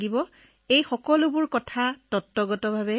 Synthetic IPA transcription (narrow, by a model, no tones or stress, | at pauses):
ɡibɔ | ejxɔkɔlʊbʊɹkɔtʰatɔtːɔɡɔtɔbʱabɛ